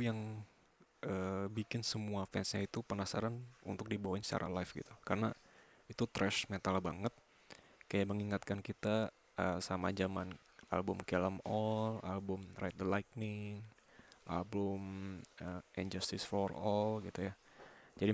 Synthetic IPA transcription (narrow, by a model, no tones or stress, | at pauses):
jaŋ | ʔəbikɪnsəmuafɛnsɲait̪upənasa̰ɾanṵnt̪ʊk̚dibawaɪnst͡ʃa̰ɾʔa̰lafɡḭt̪ukaɾəna | it̪ut̪ɾɛʃmet̪albaŋət̪̚ | kajaʔməŋiŋat̪kankit̪a | ʔəsamad͡ʒaman | ʔa̰lbʊmkɛləmɔlalbʊmrajt̪̚d̪əlajk̚nɪŋ | ʔa̰lbʊməɛ̰nd͡ʒast̪ɪsfɔrɔlɡit̪ujad͡ʒadi